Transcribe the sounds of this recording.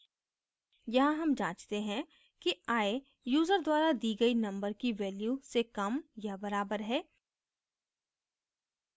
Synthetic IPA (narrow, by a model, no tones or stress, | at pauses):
jɐɦãɦɐmd͡ʒãːt͡ʃt̪eɦɛ̃ | kiaːe | juːzəɾd̪waːɾad̪iːɡɐinɐ̃mbəɾkiʋɛːljusekɐmjɐbɐɾaːbəɾɦɛː